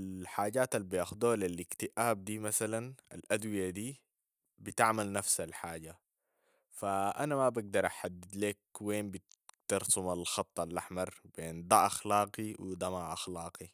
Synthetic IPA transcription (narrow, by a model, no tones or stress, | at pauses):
alħaːɟaːt̪albijaːxud̪uhalilɪkt̪iʔaːb̚d̪iːmasalana̰lʔad̪wijad̪iː | bit̪aʕmalnafsalħaːɟa | faʔanamabaɡ̚d̪ɑɾˤʔaħad̪ːid̪leːkweːnbi | t̪ɑɾˤsumalxɑt̪ˤːɑlʔaħmɑɾˤb̥eːnd̪aʔaxlɑːqiwid̪amaʕʔaxlɑːqi